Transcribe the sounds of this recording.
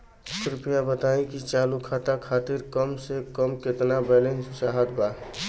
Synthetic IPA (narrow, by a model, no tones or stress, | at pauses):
kɾɪpijabət̪aːĩkit͡ʃaːlukʰat̪akʰaːt̪ɪɾkəmsekəmkɪt̪nabɛːlẽnsaɦət̪baː